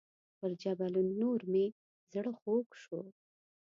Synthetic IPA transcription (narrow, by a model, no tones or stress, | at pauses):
pəɾd͡ʒabalunːoɾme | zɽəxokʃo